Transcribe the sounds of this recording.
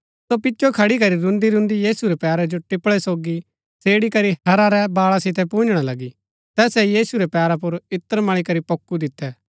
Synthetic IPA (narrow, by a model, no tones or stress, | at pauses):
sopɪtːt͡ʃʰokʰɐɽik̬ɐɾiɾʊ̃nd̪iɾʊ̃nd̪ijiːsuɾɛpɛːɾɛd͡ʒoʈɪpːɭɛsoːɡi | seːɽikɐɾiɐɾaɾɛbaːɭasɪt̪ɛpũːnd͡ʒɽ̃alɐɡi | t̪ɛːsɛjiːsuɾɛpɛːɾapʊɾɪt̪ːəɾmɐɭ̃ikɐɾipɐkːud̪ɪt̪ːɛ